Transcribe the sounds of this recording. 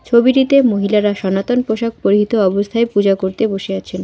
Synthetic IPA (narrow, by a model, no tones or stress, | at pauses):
t͡ɕʰobiɾit̪emoɦilaɾaʃɔnat̪onpoʃak̚poɾiɦit̪oɔbost̪ʰaepud͡ʑakoɾt̪eboʃeat͡ɕʰen